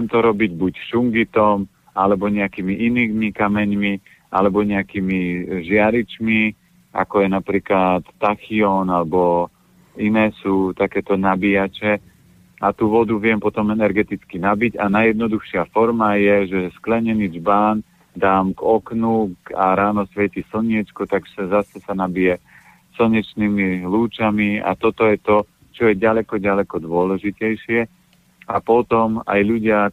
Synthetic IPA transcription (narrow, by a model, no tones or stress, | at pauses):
ɛmt̪ɔɾɔbiɟbucʃuŋɡit̪ɔm | alɛbɔɲɛakiːmiʔiniːɡmikamɛɲmi | a̰lɛbɔɲɛakiːmiʒɪaɾit͡ʃmi | a̰kɔjɛnapɾiːklat̪ːaxiɔnalɛbɔ | inɛːsuːt̪akɛːt̪ɔnabijat͡ʃɛ | at̪uːʋɔd̪uʋɪɛmpɔt̪ɔmɛnɛɾɡɛt̪it͡skinabiɟanajɛd̪nɔd̪uxʃɪafɔɾmajɛʒɛsklɛɲɛniːd͡ʒbaːn | d̪aːmɡɔknukaɾaːnɔsʋɛcisl̩ɲɪɛt͡ʃkɔt̪aɡsɛzasɛsanabijɛ | sl̩ɲɛt͡ʃniːmiluːt͡ʃamia̰t̪ɔt̪ɔjɛt̪ɔ | t͡ʃɔjɛɟalɛkɔɟalɛkɔd̪ʊɔlɛʒicɛjʃɪɛ | apɔt̪ɔma̰jʎuɟɪa